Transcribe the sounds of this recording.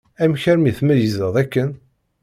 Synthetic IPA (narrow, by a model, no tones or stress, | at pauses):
æmçæɾmiθmæjəzəðˤækːən